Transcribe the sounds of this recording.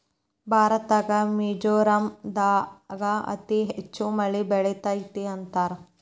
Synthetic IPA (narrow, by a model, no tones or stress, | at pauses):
bʱaːɾɐt̪aːɡɐmiːd͡ʒoːɾɐmd̪aːɡɐɐ̰t̪iɦet͡ʃːumɐɭibɛɭɛt̪aːjit̪iɐnt̪aːɾɐ